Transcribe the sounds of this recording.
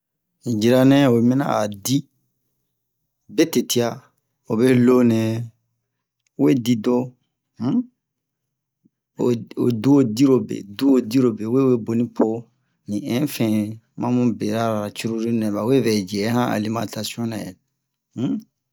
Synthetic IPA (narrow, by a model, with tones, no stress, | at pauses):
ĩ˨d͡ʒi˨ɾa˨nɛ̃˦o˨mɛ̃˦na̰˦a˨di˦ | be˦te˨ti˦a˨ | o˨be˦lo˦nɛ̃˨ | we˦di˦do˦ | o˨o̰˨du˦o˦˨di˦ɾo˨bḛ˨du˦o˨di˦ɾo˨be˨we˦we˦bo˨nĩ˦pʰo˦ | nĩ˨ɛ̃˦fɛ̃˨ | mã˦mũ˦be˨ɾa˦ɾa˨t͡ʃu˦ɾu˦ɾi˦nɛ̃˨ba˨we˦vɛ˨d͡ʒɛ˨˦hã˦ʔa̰˨li˦mã˨ta˨si˦ɔ̃˦na˨jɛ̰˨˦